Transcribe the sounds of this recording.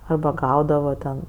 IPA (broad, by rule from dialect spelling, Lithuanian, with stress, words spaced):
ˈɐrbɐ ˈɡɐʊdɐʋoː tʲɛn